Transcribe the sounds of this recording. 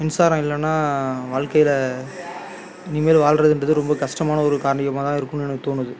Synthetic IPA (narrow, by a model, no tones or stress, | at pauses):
ɐnsaːɾɐ̃ɪlːɛnːaːʋaːɻkɐjɪlɐ | niːmeːlʋaːlɾɐðɯɛndrɐðɯɾɔmbɐkɐʂʈɐmaːnɐɔɾɯkaːɾɐɳɪjɐmaːt̪ãːɪɾɯkːɯmɛnɐkːɯt̪oːnːɯðɯ